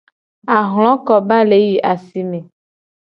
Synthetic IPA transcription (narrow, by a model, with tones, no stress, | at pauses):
a˨ɦl̃ɔ̃˦kɔ˨ba˦le˨˦ji˨ʔa˨si˦mẽ˨